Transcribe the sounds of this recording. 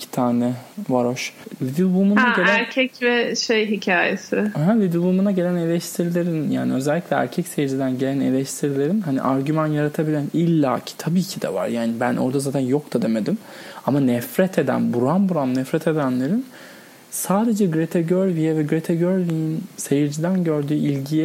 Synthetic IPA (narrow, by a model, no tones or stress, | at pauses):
icʰi̥t̪ʰaːnɛvaɾoʃvid̪ibumunaɟellʲæɾcʰɛcvɛʃejɦicʰaːjḛsɪhævid̪uumunaɟe̞lʲæne̞lʲɛʃt̪ʰiɾilʲeɾinja̰ːniø̞zælʲːiclʲɛæ̰ɾcʰɛcse̞jid͡ʒid̪ænɟelʲæne̞lʲɛʃt̪ʰiɾilʲe̞ɾinhanḭʔaɾɟymanjaɾat̪ʰabilʲænilʲːa̰ːcʰi̥t̪ʰabiːcʰid̪ɛ̰va̰ɾjaːnibænʔo̞̰ɾd̪azaːt̪ʰænjokt̪ʰad̪e̞med̪im | amanɛfɾɛt̪ʰe̞d̪æ̰nbuɾanbuɾanːɛfɾɛt̪ʰe̞d̪ænlʲe̞ɾin | saːd̪e̞d͡ʒɛɡɾet̪ʰɛɟøɾvijɛvɛɡɾet̪ʰeɟøɾvijinse̞jiɾd͡ʒid̪ænɟøɾd̪yːilʲɟijɛ